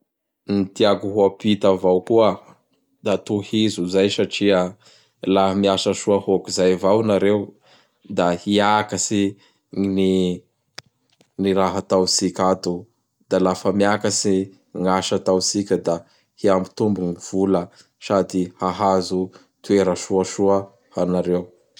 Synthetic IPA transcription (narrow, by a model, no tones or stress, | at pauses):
nit̪iaɡuɦuapit̪avawkuə | d̪̥at̪uhizuzajsaʈ͡ʂiə | lahamiaʃəsuahokizajvawnaɾew | d̪ahiakəsi | ni | niɾaɦat̪awsikʲat̪u | d̪̥alafəmiakəsi | ŋaʃət̪awsikʲəd̪a | hiambit̪umbuŋiv̥ulə | sad̪ihaɦazu | t̪ueɾəʃuəʃuə | hanaɾew